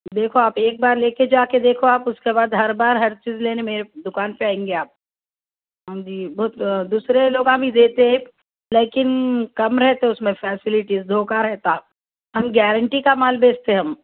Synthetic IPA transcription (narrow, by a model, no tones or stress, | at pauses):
d̪eːkʰoaːpeːk̚baːɾleːked͡ʒaːked̪eːkʰoaːpʊskebaːd̪ɦɐɾbaːɾɦɐɾt͡ʃiːzleːnemeːɾed̪ʊkaːnpeaːẽːŋɡeaːp̚ | ɦãd͡ʒiːbɔːt̪d̪uːsɾeloːɡaːbʱid̪eːt̪eɦe | leːkɪnkɐmɾɛɦt̪eẽʊsmẽfɛːsɪlɪʈizd̪ʱoːkaɾɛɦt̪aː | ɦɐmɡɛːɾəɳʈikamaːlbeːst̪eɦɐm